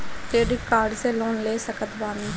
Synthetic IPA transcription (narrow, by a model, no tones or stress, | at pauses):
t̪eːɾikaːɾɖseːloːnleːsəkət̪baːniː